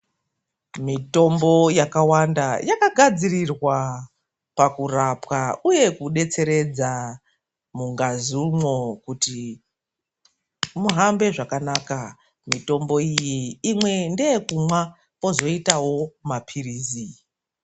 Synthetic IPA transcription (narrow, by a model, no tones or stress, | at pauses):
mito̞mbo̞jakawandajakaɡʱad͡zirirwa | pakurapkauje̞kuɗe̞t͡se̞ɾe̞d͡za | muŋɡazumwo̞kuti | muɦambe̞ʐakanaːka | mito̞mbo̞ijiːmwe̞ndeːkumwa | ko̞zo̞itawo̞mapʰiriːzi